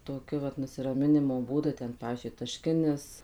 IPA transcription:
toːˈkʲʊ ʋɐt nʊsʲɪrɐˈmʲɪnʲɪmoː ˈbuːdʊ ˈtʲɛn ˈpɑːʋʲiːzʲd͡ʒʲʊɪ tɐˈʃʲkʲɪnʲɪs

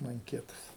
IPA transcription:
mɐŋʲˈkʲiɛtɐs

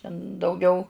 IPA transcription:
tʲɛn dɐʊˈɡʲɛʊ

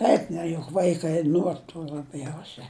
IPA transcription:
ˈɛɪk nʲɛ jʊk ˈʋɐɪkɐɪ ˈnuɔr tuː lˠɐˈbʲjɛʊsʲɛ

